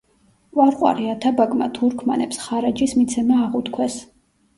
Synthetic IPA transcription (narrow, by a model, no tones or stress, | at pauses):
vwaɾqʼwa̰ɾiat̪ʰabaɡʼma̰t̪ʰuɾkʰmanɛpsχaɾad͡ʒismit̪sʰɛmaːʁut̪kʰwɛs